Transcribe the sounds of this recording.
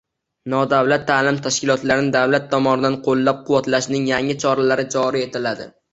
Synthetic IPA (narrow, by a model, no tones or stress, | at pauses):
nɒd̪awlat̪ʰːaːlɪmt̪ʰaʃkʲɪlˠɒt̪laɾɪnɪd̪awlat̪ʰːɒmɒnɪd̪anqʰolˠːap̚qʰʊwat̪laʃnɪŋjaŋɪt͡ʃʰɒɾalaɾɪt͡ʃʰɒɾɪe̞t̪ʰɪlad̪ɪ̰